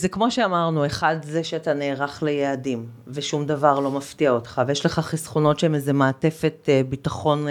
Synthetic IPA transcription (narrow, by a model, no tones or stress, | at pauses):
zekmo̞ʃeamaʁnue̞χadzeʃeataneːʁaχlejeadim | veʃumdavaʁlo̞maftiaotχavejeʃle̞χaχisχono̞tʃeemezemaːte̞fe̞tbitaχo̞n